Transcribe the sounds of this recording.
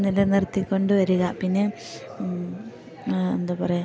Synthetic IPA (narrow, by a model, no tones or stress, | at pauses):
nilɐnirt̪ːikʲːo̞ɳɖɨʋɐɾuɣɐpinːe | end̪apɐrɐj